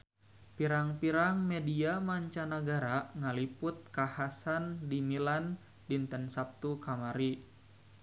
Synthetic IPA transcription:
piɾaŋpiɾaŋmediamaɲt͡ʃanaɡaɾaŋalipʊt̪̚kahasandimilan | dint̪ənsap̚t̪ukamaɾi

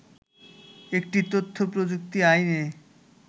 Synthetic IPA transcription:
ek̚ʈit̪ot̪ʰːopɾod͡ʑuk̚t̪iajne

